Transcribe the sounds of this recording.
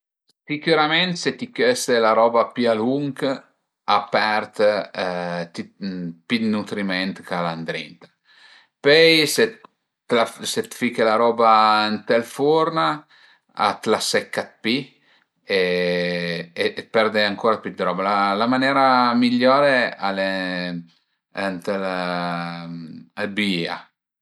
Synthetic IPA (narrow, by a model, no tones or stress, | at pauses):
sikuɾamɛnt̪set̪ikɛst̪elaɾɔːbapyaluŋk | apɛrt̪ | t̪ipid̪nut̪ɾimɛnt̪kaland̪ɾḭnt̪ḁ | pɛjse | laset̪fikelaɾɔːbant̪ɛlfuɾna | a̰t̪lasɛkːat̪̚pi | e | epɛrd̪eaŋkoːɾapjyd̪ɾɔːbalalamanɛːɾamiʎːɔːɾeale | ant̪ɛl | albia̰